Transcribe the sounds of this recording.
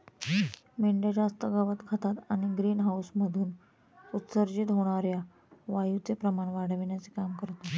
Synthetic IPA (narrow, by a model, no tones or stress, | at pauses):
meɳɖed͡ʑast̪əɡəʋət̪kʰət̪at̪aɽ̃iɡɾiːnɦawsməd̪ʱuːn | ut̪səɾd͡ʑit̪ɦoɽ̃aɾja | ʋajut͡sepɾəmaɳʋaɽ̤əʋiɳjat͡sekamkəɾt̪o